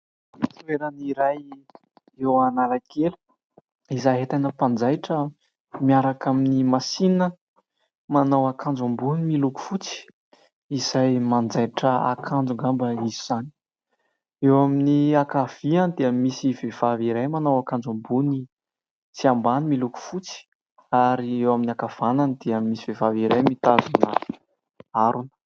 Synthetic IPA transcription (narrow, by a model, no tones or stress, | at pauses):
t̪ueɾaniɾaj | ewanalakʰelu̥ | izaɦet̪ajnəpand͡zajʈ͡ʂə | miaɾakaminimasinə | manawakʰand͡zumbunimiluku̥fut͡si̥ | iz̥ajmand͡zajʈ͡ʂəa̰kʰand͡zuŋɡambəiziz̥ani̥ | ewaminiakav̥ianid̪eamːisiv̥ev̥aviɾajmanawakand͡zumbuni | t͡siambanimiluku̥fut͡si̥ | aɾiewaminiakav̥ananid̪̥eamːisiv̥evaviɾajmit̪azunə | aɾunə̥